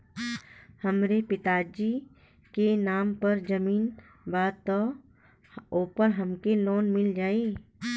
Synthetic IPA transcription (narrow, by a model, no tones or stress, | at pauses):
həmɾepɪt̪aːd͡ʒi | kenaːmpəɾd͡ʒəmiːn | baːd̪t̪ɔ | oːpəɾɦəmkeloːnmɪld͡ʒaːi